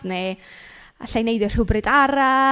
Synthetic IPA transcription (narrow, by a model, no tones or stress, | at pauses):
ne | a̰ɬajnejdɔr̥hʊbrɪdaɾa